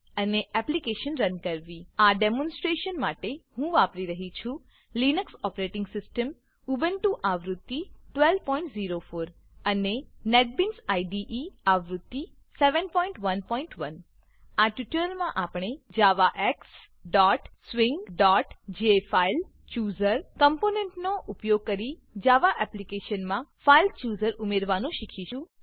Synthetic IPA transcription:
əneɛplikeʃənɾənkəɾʋiaɖemɔ̃nsʈɾeʃənmaʈehũʋapɾiɾəɦit͡ʃʰũ | linəksɔpɾeʈɪŋɡsɪsʈəm | ubənʈũʔaʋɾʊt̪ːiʈʋɛl̚pɔ̃ĩɳʈziɾofoɾ | ənenɛʈ̚binsaiɖiʔiaʋɾʊt̪ːi | sɛʋənpɔ̃ĩɳʈʋənpɔĩɳʈʋən | aʈiʈəlmãʔapɳ̃ed͡ʒaʋaʔɛks | ɖɔʈsʋiŋɡɖɔʈd͡ʒefail | t͡ʃjuzəɾkəmponeɳʈnoʔupjoɡ̚kəɾi | d͡ʒaʋaʔɛplikeʃənmãfailt͡ʃuzəɾumeɾʋanũʃikʰiʃũ

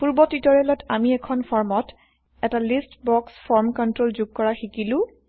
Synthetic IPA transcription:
puɹbɔtitɔɹɛlɔtamiɛkʰɔnpʰɔɹmɔt | ɛtalistbɔksfʰɔɹmkɔntɹolzuɡ̚kɔɹaxikilʊ̃

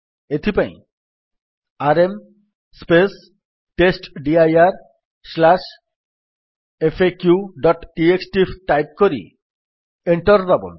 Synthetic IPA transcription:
et̪ʰipaj̃ | aɾem | spes | ʈesʈɖiajaɾ | slaʃ | efʰekjuɖɔʈʈieksʈifʰʈajp̚koɾḭ | eɳʈɔɾɾabo̰n

